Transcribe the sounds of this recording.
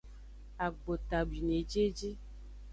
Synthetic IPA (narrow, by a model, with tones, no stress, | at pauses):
a˨ɡ͡bo˨t̪a˨bi˨ne˨d͡ʒe˦d͡ʒi˦